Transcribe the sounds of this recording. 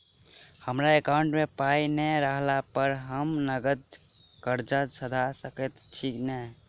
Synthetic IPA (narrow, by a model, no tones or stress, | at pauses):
həmɾaekawɳʈmepajnɛɾəɦlapəɾɦəmnəɡət̪̚ | kəɾd͡ʒəsəd̪ʱasəkɛt̪ʈʰiknɛ